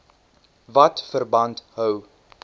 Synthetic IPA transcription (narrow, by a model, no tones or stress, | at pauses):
vɐtfərbɐntɦœw